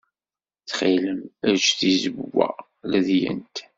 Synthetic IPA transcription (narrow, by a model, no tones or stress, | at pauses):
θχiləmæt͡ʃːθizəbwæ̰ | læðjə̰nt̪